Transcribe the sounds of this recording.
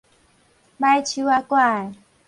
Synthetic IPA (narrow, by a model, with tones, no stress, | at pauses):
ɓa˦jt͡ʃʰi˦wa˦kwa˦˨ɛ˨